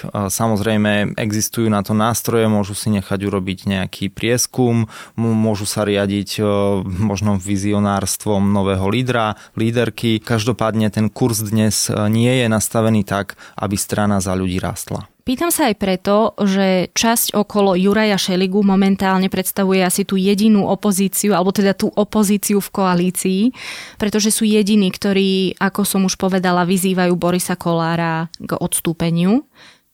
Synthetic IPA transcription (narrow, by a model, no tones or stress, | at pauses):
samɔzɾɛjmɛɛ̰ɡzist̪ujuːnat̪ɔnaːst̪ɾɔjɛmʊɔʒusiɲɛxaɟuɾɔbiɟɲɛakʰiːpɾɪɛskumːʊɔʒusaɾɪaɟic | mɔʒnɔʋiziɔnaːɾst̪ʋɔmnɔʋɛːɦɔliːd̪ɾa | liːd̪ɛɾkikaʒd̪ɔpaːd̪ɲɛt̪ɛnkuɾzd̪ɲɛzɲɪɛjɛnast̪aʋɛniːt̪aɡʔa̰bist̪ɾanazaʎuɟiːɾa̰ːst̪la̰piːt̪amsaːjpɾɛt̪ɔʒɛt͡ʃascʔɔkɔlɔjuɾajaʃɛliɡumɔmɛnt̪aːlɲɛpɾɛt̪st̪aʋujɛasit̪uːjɛɟinuːʔɔpɔziːt͡siualɛbɔt̪ɛd̪at̪uːʔɔpɔziːt͡siufkɔaliːt͡siːpɾɛt̪ɔʒɛsuːjɛɟiniːkt̪ɔɾiːakɔsɔmuʃpɔʋɛd̪alaʋiziːʋajuːbɔɾisakɔlaːɾaɡɔ̰t̪st̪uːpɛɲɪu